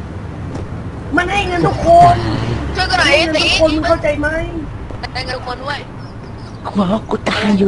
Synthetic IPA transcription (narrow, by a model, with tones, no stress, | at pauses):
ma˧nɦa˥˩jŋɤ˧nt̪ʰu˧˥˩kʰːo˧n˧ | ha˥˩ŋɤ˧t̪ʰu˥kkʰo˧nku˧kʰa˥˩wt͡ɕa˧jma˦˥˩j | a˧˩ŋ˧˥kʰo˧ndu˥˩ə˨j | kʰwɔ˨˩˦ku˧˩t̪aː˧ŋjuː˧